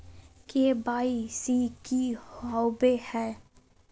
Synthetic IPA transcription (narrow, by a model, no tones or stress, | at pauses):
kebaːisikihɔwbehɛː